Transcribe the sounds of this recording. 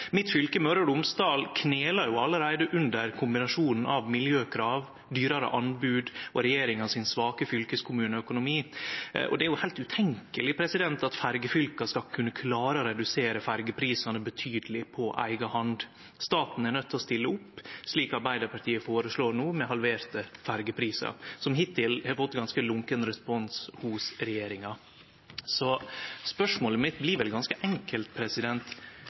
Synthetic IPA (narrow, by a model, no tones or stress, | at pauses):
mɪt̪fʏlkəmœɾəɖʊmst̪ɑːlkʰneːlɑɾjʊɑlːəɾæɪd̪əʔʉnd̪əɾkʰʊmbɪnɑʂuːnn̩ʔɑʋmɪljøːkʰɾɑːʋ | d̪yːɾɑɾə̰ʔɑnbʉːd̪ʔɔɾɛjeːɾɪŋɑʋsɪnsʋɑːkəfʏlkəskʰʊmʉːnəœkʊnʊmiːʔɔ̰d̪ɛæɾjʊhæɪlt̪ʉt̪ʰɛŋkəlɪpʰɾɛsɪd̪ɛnt̪ɑt̪fæɾɡəfʏlkɑskɑlkʰʉnːəkʰlɑːɾəɔɾɛd̪ʉseːɾəfæɾɡəpʰɾiːsɑnəbət̪ʰyːd̪əlɪpʰɔʔæ̰ɪɡəhɑnd̪ | st̪ɑːt̪n̩æɳœt̪ːɔst̪ɪlːəʊpːʂliːkɑɾbæɪd̪əɾpʰɑʈ̪ʰiːəfoːɾəsloːɾnuːmɛɦɑlʋeːɾt̪əfæɾɡəpʰɾiːsɑ̰ɾsɔmɦɪt̪ʰːɪlhɛɾfɔt̪ːɡɑnskəlʊŋkənɾɛspɔnshʊsɾɛjeːɾɪŋɑ | sɔspœʂmoːləmɪt̪ːblɪɾʋɛlɡɑnskəʔɛŋkəlt̪̚pʰɾɛsɪd̪ɛnt̪